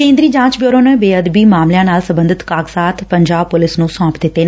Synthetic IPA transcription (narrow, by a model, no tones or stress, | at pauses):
kẽːnd̪ɾiːd͡ʒãːt͡ʃbjoːɾõːnəːbeːəd̪biːmaːmljãːnaːlsə̃mbə̃nd̪ɪt̪kaːɡsaːt̪ʰpəɲd͡ʒaːbpʊlɪsnũːsɔãːpd̪ɪt̪ːeːn